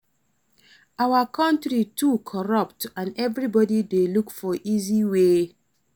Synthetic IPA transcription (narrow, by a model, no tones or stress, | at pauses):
awakʰɔ̃ntɹitʰukʰɔɹɔp̚tãnɛvɹibɔdidelukfɔʔiziwe